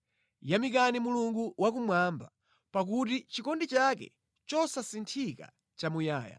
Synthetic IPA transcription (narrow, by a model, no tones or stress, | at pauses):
jamikanimuluŋɡuwak̬umwamba̰ | pakutit͡ʃikɔndit͡ʃakɛ̰ | t͡ʃɔsasintʰika̰ | t͡ʃamujaːja̰